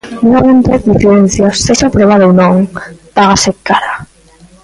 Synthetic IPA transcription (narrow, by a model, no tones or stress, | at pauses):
nuŋaβent̪ɾeθðifeɾen̟θjasːeʃapɾeβ̞aðownõŋpaɣasekːaɾa